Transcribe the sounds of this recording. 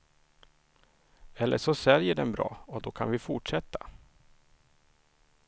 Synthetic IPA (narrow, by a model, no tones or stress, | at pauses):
ɛlːʔəʂɔsɛljəɖɛnbɾɑ̰ːɔd̪ɔkʰanvɪfʊʈʂɛt̪ʰːḁ